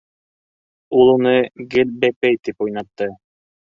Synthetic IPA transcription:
ulˠunɤɡɘlʲbæpɛjt̪ipujnɑt̪ːɤ

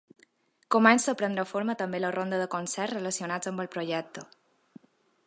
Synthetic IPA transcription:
komɛnsəpɾənd̪ɾəfoɾmət̪əmbelərond̪əðəkonsɛɾzrələsiunad͡zəmbəlˠpɾoʒɛk̚t̪ə

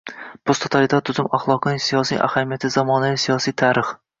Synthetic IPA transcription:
post̪ʰot̪ʰalɪt̪ʰat̪ʰːʊzɪmaχlˠɒqʰɨnɪsijɒsḭʔa̰hamijat̪ʰɪzamɒnavisijɒsijt̪ʰaɾɪχ

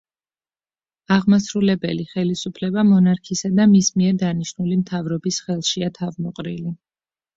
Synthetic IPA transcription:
aʁmasɾulɛbɛliχɛlisupʰlɛbamɔnaɾkʰisad̪amismiɛɾd̪aniʃnulimt̪ʰavɾɔbisχɛlˠʃiat̪ʰavmɔqʼɾili

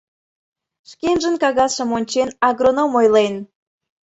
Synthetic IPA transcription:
ʃkenʒənkɑɣɑʃə̆monʲt͡ɕenɑɣronomojlen

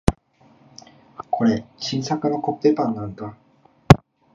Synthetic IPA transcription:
kʰoɾeɕinsakɯnakop̚t̪epanːãnd̪a

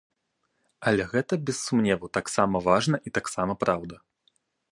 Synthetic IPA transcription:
ɐlʲɛɣɛt̪ɐbʲɛsːumnʲɛvɐt̪aksamɐvaʐnɐʔit̪aksamɐpɾʔawd̪ɐ

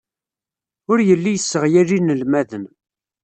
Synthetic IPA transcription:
ʊɾjəlːijəsːəʁjæɾinəlmæðən

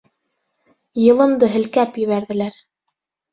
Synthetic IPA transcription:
jɤ̆lˠɤ̆md̪ɤɦɘ̆lkæpjɘ̆βæɾðɘ̆læɾ

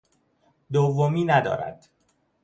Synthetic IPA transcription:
d̪ovːomiːnæd̪ɒ̰ːɾæ̰d̪̥

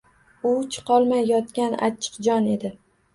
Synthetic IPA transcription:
ʊt͡ʃʰɨ̥qʰɒlˠmajːɒt̪kʲana̰t͡ʃʰːɨ̥qd͡ʒɒne̞d̪ɪ

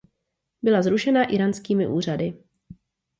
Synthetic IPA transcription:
bɪlazɾuʃɛnaʔɪɾanskiːmɪʔuːr̝adɪ

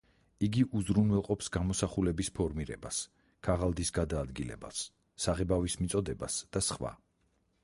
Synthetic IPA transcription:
iɡiʔuzɾunwɛlˠqʼɔpsɡamɔsaχulɛbispʰɔɾmiɾɛ̰bas | kʰaʁalˠd̪isɡad̪aːd̪ɡilɛ̰ba̰sː | aʁɛbavismit̪sʼɔd̪ɛbasd̪̥asχwa̰

